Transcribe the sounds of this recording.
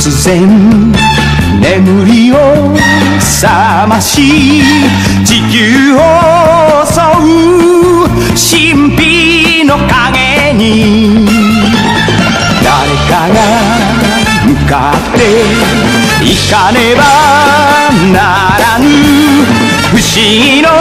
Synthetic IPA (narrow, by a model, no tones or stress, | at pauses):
suzem | nemuɾio | sa | maɕi | t͡ʃiku | o | sɔ | u | ɕi | mpi | nɔkaŋe | ɲi | d̪a̰ɾekana | mɯka̰ | t̪ːe | ikaneba | na | ɾaɲi | hɯɕi | no